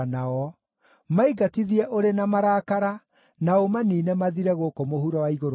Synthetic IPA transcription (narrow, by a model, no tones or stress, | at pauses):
naɔ | maiɡatiðiɛʔoɾenamaɾaːkaɾa | naomaniːnɛmaðiɾɛɣokomohuɾɔwaiɣoɾ